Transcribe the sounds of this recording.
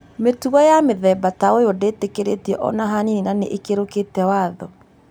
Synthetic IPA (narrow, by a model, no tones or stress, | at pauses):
metuɣɔjameðɛbataojɔdeːtekeɾetiɛʔɔ̰naɦanininaneʔekeɾoketɛwaːðɔ